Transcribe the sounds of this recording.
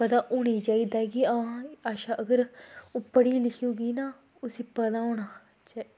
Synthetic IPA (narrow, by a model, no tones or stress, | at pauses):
pəd̪ãːʔoːɽ̃iːd͡ʒaːiːd̪aɡiːãaːʃãːʔəɡəɾʊpːəɽiːlɪkʰːuːɡiːnaː | ʊsiːpəd̪ãːõːɽaː | t͡ʃai